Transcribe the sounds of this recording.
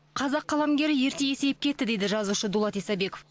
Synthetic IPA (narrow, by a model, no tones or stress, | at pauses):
qʰɑzɑqʰːɑlˠamɡʲe̞ɾɪje̞ɾt̪e̞je̞se̞jɪp̚kʲʰe̞t̪ːɪd̪e̞jd̪ɪʒɑzuʃəd̪ulˠɑt̪ijsɑbe̞ko̞f